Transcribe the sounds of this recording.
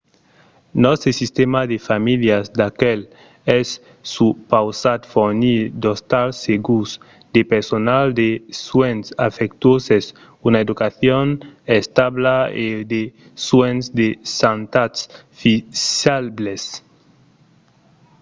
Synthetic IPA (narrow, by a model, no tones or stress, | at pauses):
nɔst̪esist̪emad̪efamiljazd̪akɛl | ɛsː | upawsat̪foɾnid̪ost̪alseɡus | d̪̥epeɾsonald̪eswensafekt̪woses | unaed̪ukaθjonest̪aβlaed̪e | swensd̪esant̪at̪s | fialbles